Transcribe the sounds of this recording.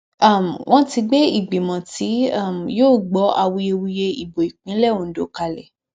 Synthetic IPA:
a˦˨m̩˨wʔɔ̃˦ti˧ɡ͡be˦i˦˨ɡ͡bi˨mɔ̃˨ti˨˦a˦˨m˨joː˦˨ɡ͡bɔ˨˦a˧wu˧e˧wu˧je˧i˨bo˨i˨k͡pĩ˨˦lɛ˦˨wõ˨n̩˦do˨˦ka˧lɛ̰˨

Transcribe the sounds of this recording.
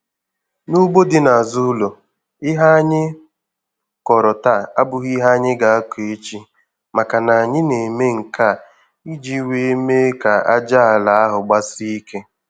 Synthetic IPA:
nu˦ɡ͡bo˦dɪ˦na˨a˨zu˦lo˨ | ɪ˦ɦa˦a˦ɲɪ˦ | kɔ˨ɾɔ˨ta˦˨a˦bʊ˨ɣi˦ɦa˦ɲɪ˦ɡa˨˦a˦ke˦t͡ʃi˦ | ma˨ka˨na˨a˨ɲɪ˦ne˨me˦ŋ̩˨kʰa˦˨ | i˦d͡ʒi˦we˦me˦ka˨a˦d͡ʒa˦a˨la˨a˦ɦʊ˨ɡ͡ba˦si˦i˦ke˦

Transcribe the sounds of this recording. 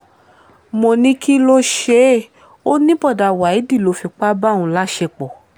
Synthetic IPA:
mo˧nĩ˧˦ki˦lo˦ʃe˦˨ | o˦nĩ˦bɔ˦˨da˨wa˨i˨˦di˦˨lo˨˧˦fi˧k͡pa˦bã˦˨ũ˧la˦ʃe˧k͡pɔ˨

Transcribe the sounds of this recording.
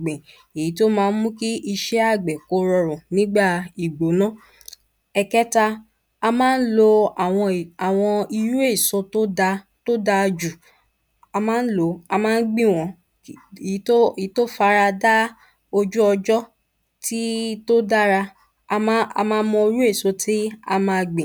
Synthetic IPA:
ɡ͡bẽ˨ | e˨i˨˦to˦mãː˦˧˦n̩˦mũ˦ki˦ʔi˧ʃɛ˦a˦˨ɡ͡bɛ˨ko˧˦ɾɔ˧ɾɔ̃˨nĩ˦ɡ͡ba˦˨i˨ɡ͡bo˨˦nɔ̃˦ | ɛ˧kɛ˦ta˧ | a˧mãː˦n̩˦lo˧a˨w̃ɔ̃˧˨a˨w̃ɔ̃˧i˧ɾu˦e˦˨sɔ̃˧to˦a˧ | to˦da˧d͡ʒu˨ | a˧mãː˦n̩˦lo˧a˧mãː˦ɡ͡bĩ˦˨w̃ɔ̃˨˦˨ | to˦i˨˦to˦fa˧ɾa˧da˦ | o˧d͡ʒu˦ɔ˧d͡ʒɔ˦ | ti˦to˦da˦ɾa˧˦ | a˧mãː˦mɔ̃˧i˧ɾu˦e˦˨so˧tʰi˦a̰˧mã˧ɡ͡bĩ˨

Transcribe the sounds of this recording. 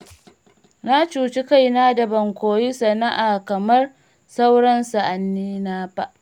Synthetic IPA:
na˦t͡ʃuː˨t͡ʃɪ˦ka˦jnaː˦dɐ˨bɐ˨ŋkʷoː˨ji˦sɐ˨na˦ʔaː˨kɐ˨mɐ˦r | sa˦wɽɐ˦nsa˨ʔa˨nːiː˦naː˦ɸa˦ʔ

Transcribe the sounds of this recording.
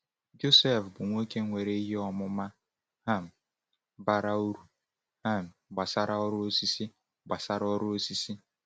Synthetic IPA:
d͡ʒo˦se˦˨fbʊ˨ŋʷo˦ke˦ŋʷe˨ɾe˦i˦ɦi˦ɔ˦mʊ˦ma˦ | ha˦˨m̩˨ | ba˦ɾa˦u˦ɾu˦ | ha˦˨m̩˨ɡ͡ba˨sa˦ɾa˦ɔ˦ɾʊ˦o˦si˦si˦ | ɡ͡ba˨sa˦ɾɔ˦ɾʊ˦o˦si˦si˦

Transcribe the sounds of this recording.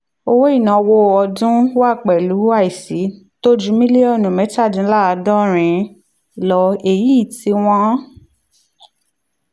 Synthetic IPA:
o˧wo˦i˦˨nã˨˧wo˧ɔ˧dũ˦wa˦˨k͡pɛ˨lu˨˦a˦˨i˨si˨˦ | to˦d͡ʒu˨˦mĩ˦lie˦ɔ˦˨nũ˨mɛ̃˨˦ta˦˨dĩ˨˧˦la˦a˧dɔ̃˦ɾ̃ĩ˧ | lɔ˧e˨ji˨˦˨ti˧˦w̃ɔ̃˦

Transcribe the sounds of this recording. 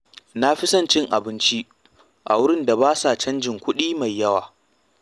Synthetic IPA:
na˦ɸɪ˦sɐ˦nt͡ʃɪ˦ŋʔa̰˨bɪ˦nt͡ʃi˦ | ʔa̰˨wʊ˦ɽɪ˦nda˨baː˦sa˨t͡ʃɐ˦nd͡ʒɪ˨ŋkʷʊ˦ɗiː˦ma˨jːɐ˦waː˨

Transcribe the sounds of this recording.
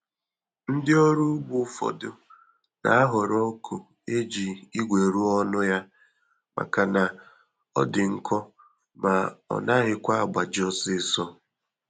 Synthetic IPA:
n̩˦dɪ˦o˦ɾu˦bʊ˨˦fɔ̰˨dʊ˨ | na̰˨a˦ɦʊ˨ɾɔ˦kʰu˨ | e˦d͡ʒi˨i˦ɡʷe˨ɾu˦ɔ˦nʊ˦ja˦ | ma̰˨ka˨na˨ | ɔ˦dɪ˨ŋ̩˦kɔ˦ | ma˨ɔ̰˨na˦ɦɪ˦kʷa˦a˨ɡ͡ba˨d͡ʒɔ˦sɪ˦sɔ˦

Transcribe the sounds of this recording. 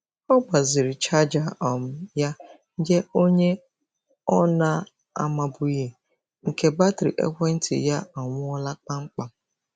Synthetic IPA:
ɔ˦ɡ͡ba˨zɪ˨ɾi˨t͡ʃa˦d͡ʒa˨ɔ˨m̩˦ja˦ | d͡ʒe˦o˦ɲe˦ | ɔ˦na˦ | a̰˨ma˨bʊ˨je˨ | ŋ̩˨ke˦ba˦tɾḭ˨ʔḛ˦kʷe˦n̩˦tʰḭ˨ja˦a˨ŋʷʊ˦ɔ˦la˦k͡pa˦ŋ͡m̩˦k͡pa˨˦

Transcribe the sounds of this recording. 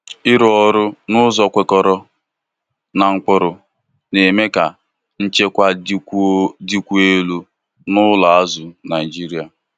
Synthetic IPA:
ɪ˦ɾʊ˦ɔ˨ɾʊ˦nʊ˦zɔ˨kʷe˨kɔ˨ɾɔ˨ | na˨ŋ̩˨k͡pʊ˨ɾʊ˨ | ne˨me˦ka˨ | n̩˦t͡ʃe˦kʷa˦di˦kʷu˦e˦lu˦ | nʊ˦la˨a˦zʊ˨na˨i˨d͡ʒi˦ɾi˦a˨

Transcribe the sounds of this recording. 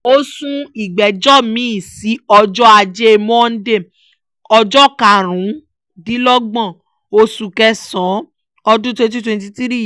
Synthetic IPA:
o˦sũ˦i˨ɡ͡bɛ˨d͡ʒɔ˦mĩ˨˦i˦˨si˨˦ɔ˧d͡ʒɔ˦a˧d͡ʒe˦e˧mɔ̃˦˧n̩˦de˦˨ | ɔ˧d͡ʒɔ˦˨ka˨ɾ̃ũ˨˦ | di˨˦lɔ˦ɡ͡bã˦˨ | o˧su˧kɛ˧˦sɔ̃˨˦ | ɔ˧dũ˦twɛ̃˧nt̬i˦twɛ̃˧nt̬i˧ti˦ɾi˦˨

